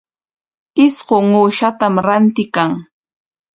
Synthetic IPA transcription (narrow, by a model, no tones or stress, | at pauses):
ɪsɢoŋuːʃat̪amɾant̪ɪkaŋ